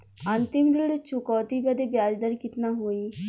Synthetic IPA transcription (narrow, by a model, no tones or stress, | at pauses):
ənt̪ɪmɡɾiɽt͡ʃʰʊkɔːt̪iːbɛd̪ebjaːd͡ʒd̪əɾkɪt̪naːɦoːiː